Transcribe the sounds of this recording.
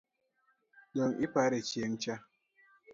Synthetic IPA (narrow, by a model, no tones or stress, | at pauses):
ɗɔŋʔipaɾet͡ʃieŋ̩t͡ʃa